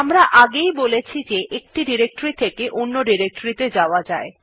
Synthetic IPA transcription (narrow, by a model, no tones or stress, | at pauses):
amɾaʔaɡejbolet͡ɕʰid͡ʑeʔek̚ʈiɖiɾek̚ʈoɾit̪ʰekeʔonːoɖiɾek̚ʈoɾit̪ed͡ʑaoad͡ʑae